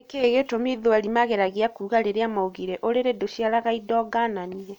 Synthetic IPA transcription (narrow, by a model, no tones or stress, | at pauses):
keɣetomiðoɛɾimaɣɛɾaɣiakuːɣaɾeɾeamaoɣiɾɛʔoɾeɾedoɕiaɾaɣaidɔɡananiɛ